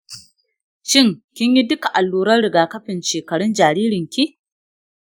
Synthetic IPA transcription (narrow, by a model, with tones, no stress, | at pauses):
ʃɪ˦˨ŋkʲɪ˦ɲji˦dʊ˦ka˨ʔa˨lːuː˨ɾɐ˦rɽɪ˨ɡaː˨kɐ˦ɸɪ˨nʃeː˨kɐ˨ɽʊ˦nd͡ʒaː˨ɾiː˦ɾɪ˨ŋkʲi˦